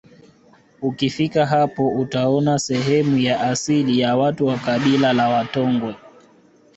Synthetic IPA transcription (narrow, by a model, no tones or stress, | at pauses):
ukifikaɦapɔʔutaɔnasɛɦɛmujaʔasilijawatuwakaɓilalawatɔŋɡwɛ